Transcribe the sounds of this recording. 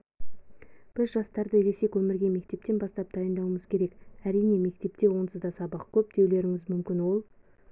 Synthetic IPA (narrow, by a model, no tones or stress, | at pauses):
b̥ɪzʒɑst̪ɑɾd̪əɾese̞kʲwɵmɪɾɡʲeme̞k̚t̪e̞p̚t̪ːe̞nbɑst̪ɑp̚d̪ɑjənd̪ɑwəməzkʲʰe̞ɾe̞kæɾijne̞me̞k̚t̪e̞pt̪e̞wo̞nt̪ʰəzd̪ɑsɑbɑqkʲʰɵp̚d̪̥e̞wle̞ɾɪŋɪzmʏmkʲɪnwo̞lˠ